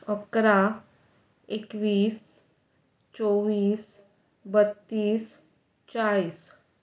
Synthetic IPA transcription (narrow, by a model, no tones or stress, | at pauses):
əkɾa | ekʋiːs | t͡ʃɔʋiːs | bət̪ːiːs | t͡ʃaliːs